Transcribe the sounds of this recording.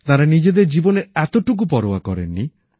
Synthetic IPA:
t̪aɾanid͡ʒed̪eɾd͡ʒibɔneɾɛt̪oʈuk̬upɔɾowa̰kɔ̰ɾḛnːi

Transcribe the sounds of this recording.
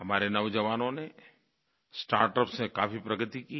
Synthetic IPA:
ɦɐmaːɾenɐʋd͡ʒəʋaːnõne | sʈa̰ːɾʈəpsẽka̰ːfipɾɐɡət̪iki

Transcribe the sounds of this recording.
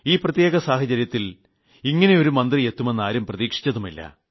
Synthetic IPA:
iːprɐt̪je̞ːɣɐsaːhɐt͡ɕɐɾjɐt̪ːil | iŋːɐne̞jo̞ɾumɐnd̪rije̞t̪ːume̞nːaːɾumprɐðiːkʂi̥t͡ɕːɐðumilːɐ̰

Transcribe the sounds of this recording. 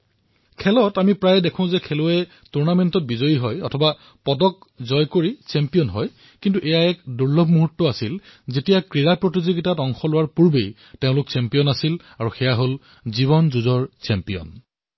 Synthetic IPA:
kʰɛlɔtamipɹajdekʰɔ̃ʊ̃zɛkʰelʊɛ | tuɹnamɛntɔt̚bizɔjiɦɔjɔtʰɔba | pɔdɔk̚zɔjkoɹisɛmpijɔnɦɔj | kintuʔejaɛkduɹlɔbmuɦutːɔasilzetijakɹiɹapɹotizoɡitatɔŋxɔlʊwaɹpuɹbej | tẽʊ̃lʊksɛmpijɔnasil | aɹuxɛjaɦol | ziβɔnzuzɔɹsɛmpijɔ̰n

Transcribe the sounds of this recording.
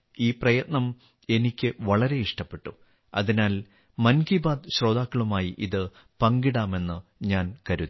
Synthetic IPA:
iːprɐjɐt̪̚nɐm | e̞nikʲːɨʋɐɭɐɾe̞iʂʈɐpːe̞ʈːu | ɐ̰ðinaːl | mɐnɡibaːd̪ɕro̞ːd̪aːkːɐɭumaːjiʔiðɨ | pɐŋɡiɽaːme̞nːɨɲaːnkɐɾu

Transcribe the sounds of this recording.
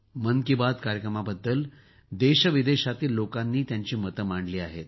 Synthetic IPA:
mənkibad̪kaɾjəkɾəmabəd̪ːəl | d̪eɕəʋid̪eɕat̪iːlːokanːiːt̪jaɲt͡ɕiːmət̪əmaɳɖliːaɦet̪̚

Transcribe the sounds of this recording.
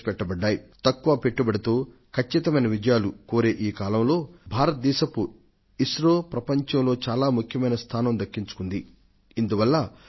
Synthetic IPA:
pɛʈːɐbɐɖːaːjit̪ɐkːuʋɐpe̞ʈːubɐɽit̪oː | kʰɐt͡ʃːit̪ɐmɐjnɐʋid͡ʒɐjaːlukoːɾeːʔiːkaːlɐmlo̞ːbʱaːɾɐt̪̚d̪ɛːʃɐpu | iʃɾoːpɾɐpɐɲt͡ʃɐmlo̞ːt͡ʃaːlaːmukʰjɐmɐjnɐst̪ʰaːnɐmd̪ɐkːiɲt͡ʃu̥kund̪iː | nd̪uʋɐlːɐ

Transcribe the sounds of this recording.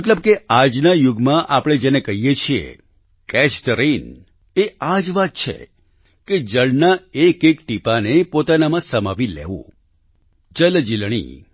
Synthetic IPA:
məʈləb̚kead͡ʒnajʊɡmãʔapɽ̃ed͡ʒenekəɦijet͡ʃʰiḛ | kɛʃt̪əɾin | ead͡ʒʋat̪̚t͡ʃʰḛ | ked͡ʒəɭnaekekʈipanepot̪anamãsəmaʋilḛʋṵ̃ | d͡ʒəld͡ʒilɽ̃ḭ

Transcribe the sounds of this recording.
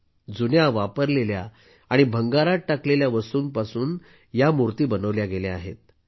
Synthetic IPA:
d͡zunjaʋapəɾlelja̰ː | ɽ̃ibʱəŋɡaɾaʈakleljaʋəsuːnpasuːn | jamuɾt̪iːbənəʋljaɡelea̰ɦḛt̪̚

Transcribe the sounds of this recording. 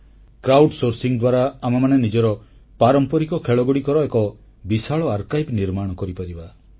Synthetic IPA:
kɾawɖsoɾsiŋd̪waɾaːmamanenid͡ʒɔɾɔ | paɾɔmpɔɾikɔkʰeɭɔɡuɽikɔɾɔekɔ | bisaɭɔaɾkajpniɾmaɽ̃ɔkɔɾipaɾiba

